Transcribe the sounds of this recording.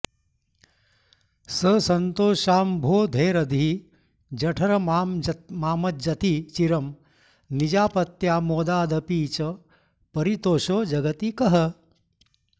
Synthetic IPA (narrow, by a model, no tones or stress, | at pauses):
sɐsɐnt̪oːʃaːmbʱoːd̪ʱeːɾɐd̪ʱi | d͡ʒɐʈʰɐɾɐmaːmmaːmɐt̪̚d͡ʒɐt̪it͡ʃiɾɐm | nid͡ʒaːpɐt̪jaːmoːd̪aːd̪ɐpiːt͡ʃɐ | pɐɾit̪oːʃoːd͡ʒɐɡɐt̪ikɐɦɐ